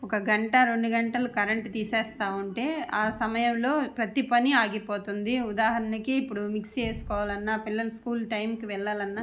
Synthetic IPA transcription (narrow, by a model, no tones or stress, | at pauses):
ɔkɐɡɐɳʈɐɾe̞ɳɖuɡɐɳʈɐlukɐɾɐɳʈt̪iːseːst̪aːuɳʈe̞ːaːsɐmɐjɐmlo̞ːpɾɐt̪ipɐniaːɡipoːt̪und̪iud̪aːɦɐɾɐnikiːpːuɽumikst͡ʃe̞ːsu̥kɔːʋaːlɐnːapilːɐlɐskuːlʈɐjmkiʋɛɭːaːlɐnːaː